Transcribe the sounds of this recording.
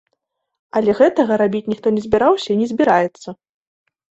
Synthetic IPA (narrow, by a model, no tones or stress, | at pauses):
ɐlʲɛɣɛt̪ɐɣɐɾabʲit͡sʲnʲixt̪ɔnʲɛzʲbʲiɾawsʲɐinʲɛzʲbʲiɾajɛt̪sːɐ